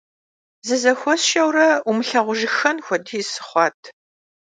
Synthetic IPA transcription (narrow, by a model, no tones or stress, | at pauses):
zɨzɐxʷɔsʃɐwrɐumɨɬɐʁʷʊʒɪxɐnxʷɔdiːsɨ̥χʷɑːtʰ